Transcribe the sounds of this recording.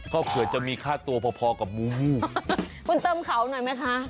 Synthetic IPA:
kʰɔː˥˩kʰɯ˨˩˦ət͡ɕa˨˩miː˧kʰaː˥˩t̪u˧ɐpʰɔː˧pʰɔː˧ka˨˩p̚muː˦˥muː˥˩kʰu˧nt̪ɤː˧mkʰa˩˦wnɔ˨˩jma˦˥jkʰa˦˥ʔ

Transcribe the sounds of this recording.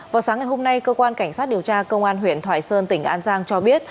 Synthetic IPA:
vaː˨˩wsaː˨˦ŋa˨˩jɦo˧mna˧jkəː˧kwaː˧nka˧˩jŋ̟saː˦˥t̚ɗi˨˩əwt͡ɕaː˧kə˧wŋ͡mʔaː˧nɦwḭ˧˨ənt̪ʰwa̰ː˧˩jsəː˧nt̪ï˧˩ŋ̟ʔaː˧nzaː˧ŋt͡ɕɔ˧ɓi˦˥ət̚

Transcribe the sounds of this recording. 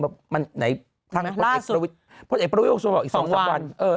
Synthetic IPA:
bɛ˨˩p̚ma˧nna˨˦j | t̪ʰaː˦˧aː˦˥˩eː˨˩ku˨ɾi˦˥t̪̚ | pʰo˧˥t̪̚ʔeː˨˩pɾa˧w̪̚o˧˥su˧b̚ʔiː˨˩sɔ˨˦ŋsa˦˧˦wa˧nʔɤː˧

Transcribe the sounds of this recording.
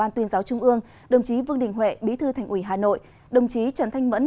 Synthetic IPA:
aː˧nt̪wi˧ənzaː˨˦wt͡ɕʊ˧ŋ͡mʔɨ˧əŋ | ɗə˨˩wŋ͡mt͡ɕi˨˦vɨ˧əŋɗï˨˩ŋ̟ɦwḛ˧˨ɓi˨˦t̪ʰɨː˧t̪ʰɛ˨˩jŋ̟ʔwi˧˩ɦaː˨˩no̰˧˨j | ɗə˨˩wŋ͡mt͡ɕi˨˦t͡ɕə˧˩nt̪ʰa˧jŋ̟mə̰˧˥n

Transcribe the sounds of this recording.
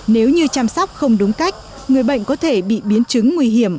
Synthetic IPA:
ne˨˦wɲɨ˧t͡ɕaː˧msɔ˦˥wk͡p̚xə˧wŋ͡mɗʊ˨˦ŋ͡mka˦˥jk̟̚ | ŋɨ˨˩əjɓə̰˧˨jŋ̟kɔ˨˦t̪ʰe˧˩ɓḭ˧˨ɓi˨˦ənt͡ɕɨ˨˦ŋːwi˧ɦi˧˩əm

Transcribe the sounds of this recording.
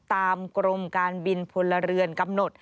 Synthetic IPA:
t̪aː˧mkɾo˧mkaː˧nbi˧npʰo˧lːa˧ɾɯ˧ənka˧mno˨˩t̪̚

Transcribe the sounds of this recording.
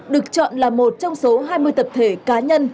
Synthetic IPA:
ɗɨ˨˩ək̚t͡ɕɔ̰˧˨nlaː˨˩mo˨˩t̚t͡ɕɔ˧wŋ͡mso˨˦ɦaː˧jmɨ˧əjt̪ə˨˩p̚t̪ʰe˧˩kaː˨˦ɲə˧n

